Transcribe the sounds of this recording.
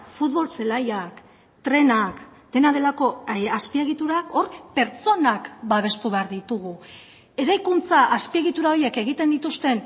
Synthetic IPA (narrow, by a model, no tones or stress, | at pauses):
fut̪βo̞lselajak | t̪ɾe̞nakd̪̥e̞nað̞e̞lako̞aspie̞ɣit̪uɾako̞ɾpe̞ɾt͡so̞nakbaβ̞e̞st̪uβe̞aɾðit̪uɣ̞u | e̞ɾajkunt͡saʔaspie̞ɣit̪uɾao̞ɾje̞ke̞ɣ̞it̪e̞nd̪it̪ust̪e̞n